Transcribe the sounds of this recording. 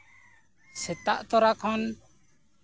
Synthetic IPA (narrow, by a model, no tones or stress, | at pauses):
sɛt̪aʔt̪ɔɾakʰɔn